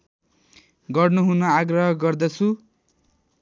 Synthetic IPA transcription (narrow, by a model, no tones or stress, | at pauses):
ɡʌrnuɦunʌaɡrʌɦʌɡʌrd̪ʌt͡sʰu